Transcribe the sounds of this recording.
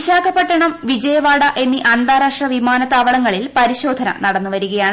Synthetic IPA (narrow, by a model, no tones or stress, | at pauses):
ɕaːkʰɐpːɐʈːɐɳɐmʋid͡ʑɐjɐʋaːɽɐʔe̞nːiʔɐnd̪aːɾaːʂɐʋimaːnɐt̪aːʋɐɭɐŋːɐɭilpɐɾiɕo̞ːd̪ʱɐnɐ̰nɐɽɐnːuʋɐɾuɣɐjaːɳ